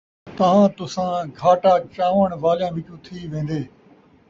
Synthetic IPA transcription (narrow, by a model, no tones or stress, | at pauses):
t̪ɐʋ̤ãːt̪ʊsãːɡʱaːʈaːt͡ʃaːʋəɳ̃ʋaːlɪjãːʋɪkjũːt̪ʰiːʋẽːn̆d̪eː